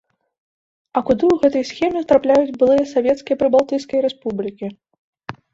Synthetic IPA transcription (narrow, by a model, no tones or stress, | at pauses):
ɐkud̪ɨwɣɛt̪ɐjsxʲɛmʲɛt̪ɾaplʲajud͡zʲbɨlˠɨjɐsavʲɛt̪skʲijɛpɾɨbalˠt̪ɨjskɐjɾɛspublʲikʲi